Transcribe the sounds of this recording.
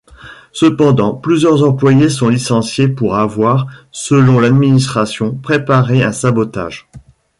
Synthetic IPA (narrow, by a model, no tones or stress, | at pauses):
səpɑ̃d̪ɑ̃plyzjœʁzɑ̃plwajesɔ̃lisɑ̃sjepuʁavwaʁsəlɔ̃lad̪minist̪χasjɔ̃pχepaʁeɛ̰̃sabɔt̪a̰ːʒ